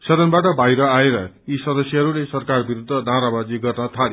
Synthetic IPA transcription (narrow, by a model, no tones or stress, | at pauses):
sʌd̪ʱʌnbaʈʌbʱajɾʌaeɾʌ | isʌd̪ʌsjʌɦʌɾulesʌrkarbiɾud̪ʱːʌd̪ʱãɾabad͡ziɡʌrnʌt̪ʰale